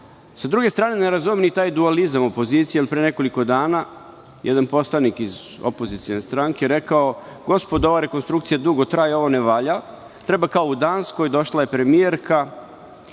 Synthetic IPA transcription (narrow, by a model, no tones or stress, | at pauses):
sad̪ɾuɡe̞st̪ɾaːne̞ne̞ɾazumnit̪aːjd̪ualizamo̞po̞ziːt̪sijeilipɾene̞ko̞liko̞d̪aːna | jʔed̪anpo̞slˠanikiz | o̰po̞zit̪ijonest̪ɾaŋkeɾe̞kao̞ɡ̥o̞spo̞d̪o̞ʋaɾe̞ko̞nst̪ɾukt̪sijad̪uɡo̞t̪ɾaːjo̞ʋo̞neʋaʎa | t̪ɾe̞bakaoud̪aːnsko̞jd̪o̞ʃlaje̞pɾe̞mijeɾkʰa